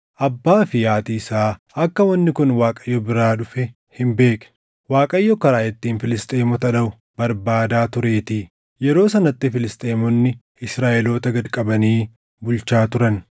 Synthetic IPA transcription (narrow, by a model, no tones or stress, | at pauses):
ʔɐbːaːfɪjaːt̪iːsaː | ɐkːɐwɐnːɪkʊnwaːkʼɐjːɔbɪɾaːᶑʊfɛ | hɪmbe̞ːkɛ̥ | waːkʼɐjːɔkɐɾaːjɛt̪ːiːnfɪlɪst̪ʼeːmɔt̪ɐᶑɐʊ | bɐɾbaːd̪aːt̪ʊɾe̞ːt̪iː | jɛɾo̞ːsɐnɐt̪ːɪfɪlɪst̪ʼeːmɔnːɪ | ɪsɾaːʔɛlo̞ːt̪ɐɡɐd̪kʼɐbɐniː | bʊlt͡ʃaːt̪ʊɾɐn